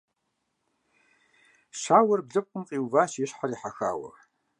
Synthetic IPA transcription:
ʃaːwɐrbɮɨp̚qʷʼʊmqʼiːwvaːʃiɕħariːħaxa̰ːwɐ̰r

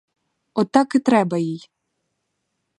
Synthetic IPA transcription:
ɔt̪ɑkɪt̪ɾɛbɐjij

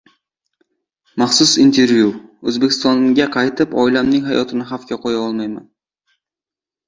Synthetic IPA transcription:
mɑχsʊsint̪ʰe̞ɾvjuɵzbe̞kʰʲɪ̥st̪ɒnɡʲaqʰɑjt̪ʰɪpɒjlamnɪŋʲɦajɒt̪ʰɪnɪɦafkʲaqʰojaɒlˠmajma̰n

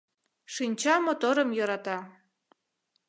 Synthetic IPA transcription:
ʃinʲt͡ɕɑmot̪oɾəmjɤɾɑt̪ɑ

